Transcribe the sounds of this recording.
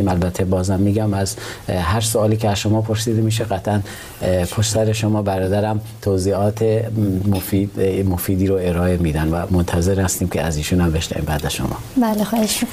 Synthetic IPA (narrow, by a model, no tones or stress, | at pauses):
imælbæt̪ʰːebɒːzæmːiːɡæmæzɦæɾsoɒːliːkʰeæzʃomɒːpʰoɾsiːd̪emiːʃ̬eɣæt̪ʰʔæn | pʰoʃsæɾeʃomɒːbæɾɒːd̪æɾæm | t̪ʰoziːɒːt̪ʰemofimofiːd̪iːɾoeɾɒːe̞miːd̪ænvæmont̪ʰæzeɾhæst̪iːmkʲʰeæ̰ziːʃuːnæmbe̞ʃnæ̰vḭːmbæːd̪æzʃo̰mʔɒ̰ːbæːlexɒːheʃmik